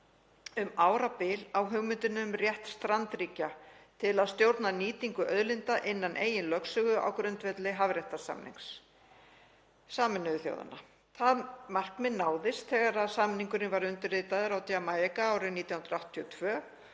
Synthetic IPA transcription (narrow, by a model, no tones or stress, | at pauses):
ʏmaːwɾapɪlawɦʏɣmɪnt̪ɪnʏmrjɛht̪st̪ɾant̪ɾiːcat̪ʰɪlaðst̪jowɾt̪naniːt̪iŋkʏʔœðlɪnt̪aʔɪnːanʔeːjɪnlœksʏɣʏʔa̰wkɾʏnt̪vɛt̪lɪɦavɾjɛht̪asa̰mnḭŋks | saːmɛnːʏðʏθjo̰wða̰na | θaðmar̥kmɪnːaːwðɪst̪θɛɣaɾaðsaːmniŋkʏɾɪnvaɾʏnt̪ʏrɪːt̪aðɪɾawt̪jamaːjɛkaaːwɾɪniːt̪janɾaw̥ht̪ʰːiɔt̪ʰvœː